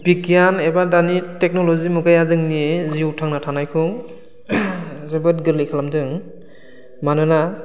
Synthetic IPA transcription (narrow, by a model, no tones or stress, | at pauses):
bikijanebadanitek̚nɔlɔzimuɡajazɯŋniziutʰaŋnatʰanajkʰɯŋ | zɯbɯt̚ɡɯɾlikʰalamdɯŋ | manɯna